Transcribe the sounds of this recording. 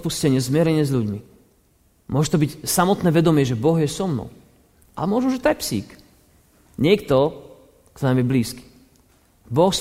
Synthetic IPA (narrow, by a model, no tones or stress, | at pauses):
puscɛɲɪɛzmɪɛɾɛɲɪɛzʎuɟmi | mʊɔʒɛt̪ɔbicsamɔt̪nɛːʋɛd̪ɔmɪɛʒɛbɔɣjɛsɔmnɔ̰ʊ | ʔa̰lɛmʊɔʒɛuʒɛt̪ɔjɛpsḭːk | ɲɪɛkt̪ɔ | kt̪ɔnamjɛbliːski̥ | bɔx